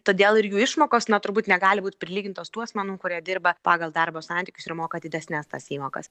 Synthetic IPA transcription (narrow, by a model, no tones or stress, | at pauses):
t̪oːd̪ʲeːlˠɪɾjuːɪʃmoːkoːsnɐt̪ʊɾbuːt̪nʲɛɡɑːlʲɪbuːt̪ʲpʲɾʲɪlʲiːɡʲɪnt̪oːst̪uːɔɐsmʲɛnuːmkʊɾʲiɛd̪ʲɪɾbɐpɑːɡɐlˠd̪ɐɾboːsɑnʲt̪ʲɪːkʲʊsɪɾmoːkɐd̪ʲɪd̪ʲɛsʲnʲæst̪ɐsiːmoːkɐ̰s